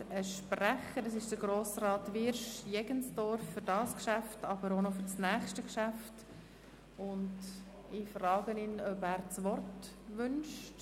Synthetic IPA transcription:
əʃpræχəɾdəsɪʃd̥əɡɾoːsrɑːtʋɪɾʃjɛɡənsd̥ɔɾfːʏɾdɑːskʃæftɑb̥əɾonɔfʏɾt͡snæːχʃtəkʃæft | ʊnd | ɪfrɑːɡənɪnœbæːɾt͡sʋɔrtʋʏnʃt

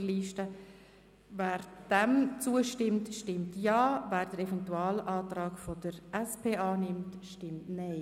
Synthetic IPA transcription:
liːʃtə | væːɾd̥ɛmt͡suːəʃtɪmtʃtɪmtjaːvæːɾdəɾɛvɛntuaːlʔaːtɾaːkfɔdəɾʔɛspʰeːʔaːnɪmtʃtɪmtnɛɪ

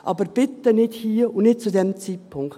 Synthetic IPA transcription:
ʔɑ̰ːbəɾb̥ɪt̪ːənɪthiːʊnnɪt̚t͡sudɛmt͡siːt̚pʰʊŋk

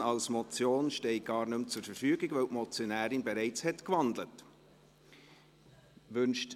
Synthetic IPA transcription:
ɑlsmɔt͡sjoːnʃtɛɪɡ̥ɑːɾnɵmt͡sʊɾfəɾfyːɡɪɡvœwʔmɔt͡sjɔnæːɾɪnbɛɾaɪt͡shɛtkvɑndlət | ʋʏnʃt

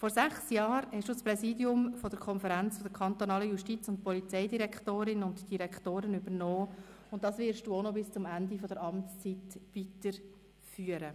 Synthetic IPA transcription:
fɔɾsæχsjɑːɾhɛʃd̥uːspɾɛsiːdiʊmfɔdəɾkʰɔnfəɾænt͡sfɔd̥əɾkʰɑnt̪onɑːləjuʃtit͡sʊntpɔlit͡sɛɪdiɾɛkχtoːɾɪnʊntd̥iɾɛkχtoːɾənybəɾnɔː | ʊnt̚dɑsʋɪɾʃd̥uːonobɪst͡sʊmændifɔdəɾɑmtt͡st͡sitʋitəɾ | fyːəɾə

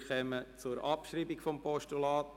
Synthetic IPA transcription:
χɛmət͡sʊɾʔɑpʃriːbikfɔmpɔʃtulɑːt

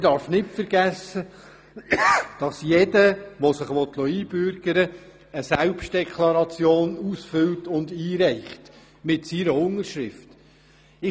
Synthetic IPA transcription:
dɑɾfnɪtfəɾɡ̥æsə | d̥ɑsjɛdəʋɔsɪχʋɔt̪lɔiːb̥ʏɾɡ̥əɾə | əsælpʃt̚d̥ɛkʰlɑɾɑt͡sjoːnusfʏltʊnd̪iːɾɛɪχt | mɪtsiɾəʊŋːəɾʃɾɪft | ɪ

